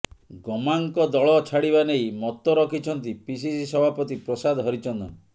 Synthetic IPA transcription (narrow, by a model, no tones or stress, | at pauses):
ɡɔmaŋkɔd̪ɔɭɔt͡ʃʰaɽibanejmɔt̪ɔɾɔkʰit͡ʃʰɔnt̪ipis̬isisɔbʱapɔt̪ipɾɔsad̪ɔɦɔɾit͡ʃʰɔnt̪ɔn